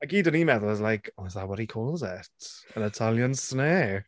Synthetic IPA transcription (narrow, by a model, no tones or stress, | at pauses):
aɡidənimɛðʊlˠəzlajkʰoɪzðawɔɾikʰɔːlˠzɪtənətʰalˠjənsneː